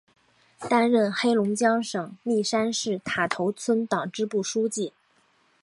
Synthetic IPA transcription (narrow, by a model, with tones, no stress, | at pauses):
t̪a˥nɻə˥˩nxe˥ɪlʊ˧˥ŋt͡ɕjɑ˥ŋʂɤ˨˩ŋli˥˩ʂa˥nʂɻ̩˥˩t̪ʰa˨˩t̪ʰo˧˥ʊt͡sʰwə˥nt̪ɑ˨˩ŋʈ͡ʂɻ̩˥pu˥˩ʂu˥t͡ɕi˥˩